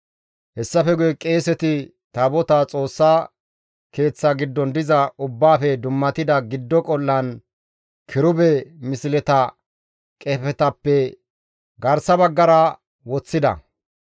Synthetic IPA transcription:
hɛsːɐfɛɡʊjɛkʼe̞ːsɛt̪ɪ | t̪ɐbɔt̪at͡sʼo̞ːsːaː | ke̞ːt͡sːɐɡɪd̪ːɔnd̪ɪzɐʊbːaːfɛd̪ʊmːɐt̪ɪd̪ɐɡɪd̪ːɔkʼɔlːɐn | kʰɪɾʊbɛmɪsɪlɛt̪ɐ | kʼɛfɛt̪ɐpːɛ | ɡɐɾsɐbɐɡːɐɾɐ | wɔt͡sːɪd̪ɐ̰

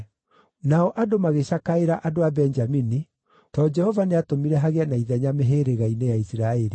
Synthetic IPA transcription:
naɔʔadomaɣeɕakaeɾaʔadoabɛnd͡ʒamini | tɔd͡ʒɛhɔvaneatomiɾɛɦaɣeanaiðɛɲameɦeɾeɣainejaisiɾaːɛɾi

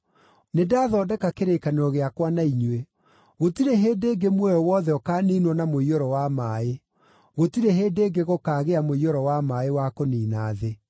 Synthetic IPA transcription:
nedaːðɔːdɛkakeɾekaneɾɔɣeakwanaiɲwe | ɣotiɾeɦeːdeːɡemwɛjɔwɔːðɛɔkaːniːnwɔnamoiɔɾɔwamaːe | ɣotiɾeɦeːdeːɡeɣokaːɣeamoiɔɾɔwamaːewakoniːnaːðe

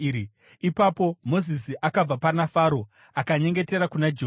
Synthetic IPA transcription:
i | ipapo̞mo̞zis̬iʔakab͡vapanafaːɾo̞ | akaɲe̞ŋɡe̞teɾakunad͡ʒe

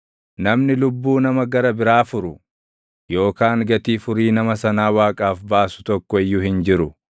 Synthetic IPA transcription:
nɐmnɪlʊbːuːnɐmɐɡɐɾɐbɪɾaːfʊɾʊ | jo̞ːkaːŋɡɐt̪iːfʊɾiːnɐmɐsɐnaːwaːkʼaːfbaːsʊ̥t̪ɔkːɔɪjːʊhɪnd͡ʒɪɾʊ

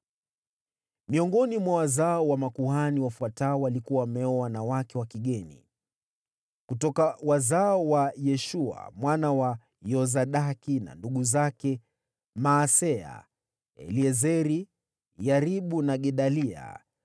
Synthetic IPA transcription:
miɔŋɡɔnimwawazaɔwamakuhaniwafuataɔwalikuawamɛɔwanawakɛwakiɠɛnḭ | kutɔkawazaɔwajɛʃua̰mwanawa | jɔzaɗakina̰nduɠuzakɛ | maːsɛa̰ | ɛ̰liɛzɛɾi | jaɾiɓunaɠɛɗalia̰

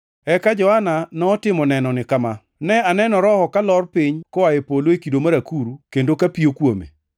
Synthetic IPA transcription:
ɛkad͡ʒɔhananɔːtɪmɔnɛnɔnɪkama | nɛanɛnɔɾɔhɔkalɔrpiɲkɔwajepoloekidomaɾakuɾukendokapijokwomḛ

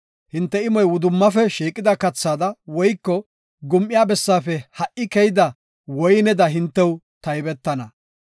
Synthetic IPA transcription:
hɪnt̪ːɛɪmɔjwʊd̪ʊmːɐfɛʃiːkʼːɪd̪ɐkɐt͡sːaːd̪ɐwɔjkːɔ | ɡʊmʔɪjaːbɛsːaːfɛhɐʔːɪkɛjɪd̪ɐ | wɔjnɛd̪ɐɦɪnt̪ːɛw | t̪ɐjbɛt̪ːɐnɐ

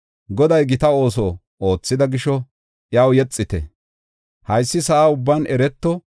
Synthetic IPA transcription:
ɡɔd̪ɐjɡɪt̪ɐo̞ːs̬ɔ | o̞ːt͡sːɪd̪ɐɡɪʃɔ | ʔjaːwjɛt͡sʼːɪt̪ɛ̰ | hɐjsːɪsɐʔaːʊbːaːnʔɛɾɛt̪ːɔ

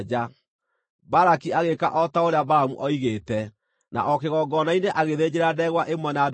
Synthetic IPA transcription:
d͡ʒa | baɾakiaɣeka̰ʔɔtaoɾeabaɾamṵʔɔiɣeːtɛ | na̰ʔɔkeɣɔɡɔnaineʔaɣeðed͡ʑeɾadɛɣwaʔemwɛnad

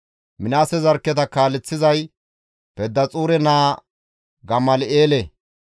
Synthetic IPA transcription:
mɪnaːsɛzɐɾkːɛt̪ɐkaːlɛt͡sːɪzɐj | pɛd̪ːɐt͡sʼuːɾɛnaː | ɡɐmːɐleːle

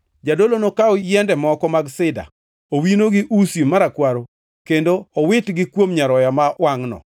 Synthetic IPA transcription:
d͡ʒadolonokaɔjɛndɛmɔkɔmaɡsɪda̰ | owinoɡɪʔusimaɾakwaɾo | kendoɔwɪtɡɪkwomɲaɾɔjamawaŋnɔ̰

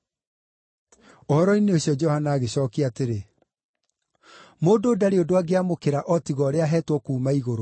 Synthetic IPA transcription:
ohɔɾɔineoɕiɔd͡ʒɔhanaːɣeɕɔːkiateɾe | moːndoːdaɾeodoaɡeamokeɾaʔɔtiɣɔːɾeaɦɛtwɔkuːmaiɣoɾo

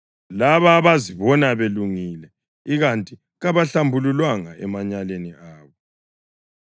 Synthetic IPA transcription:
laβaβaziβɔnaβeluŋilɛ | iɣantʼi | ɣaβaɬambʱululwaŋa̰ɛmaɲaleniʔaːβɔ

